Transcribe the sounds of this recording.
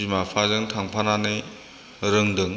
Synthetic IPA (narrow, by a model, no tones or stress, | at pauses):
imapʰazɯŋtʰaŋpʰananɯ | ɾɯŋdɯŋ